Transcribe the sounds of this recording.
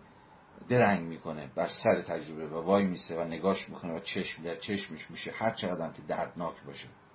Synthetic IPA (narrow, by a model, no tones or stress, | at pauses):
d̪eɾæŋɡmiːkʰo̞neb̥æɾsæɾet̪ʰæd͡ʒɾobevævɒːjmiːsevæneɡɒːʃmiːkʰonevæt͡ʃʰeʃmd̪æɾt͡ʃʰeʃmeʃmiːʃehæɾt͡ʃʰeɣæd̪æmkʰed̪æɾd̪nɒːkʰbɒːʃe